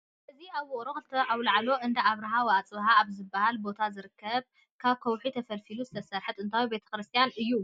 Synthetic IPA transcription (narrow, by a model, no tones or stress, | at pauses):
ʔɨziaβwʊχʼɾoxɨlɨt̪ʰɐʔawlaʕlo̞ʔɨnd̪ɐaβɾɐɦawat͡sʼɨβɦaːβzɨbːahalbo̞t̪ʰazɨɾɨkʰːɐβ | kʰaβkʰɐwħit̪ʰɐfɐlfiluzɨt̪ʰɐsɐɾħɨt̪ɨnt̪ʰajube̞t̪ʰɐ̥kɾɨst̪ʰijanɨjːu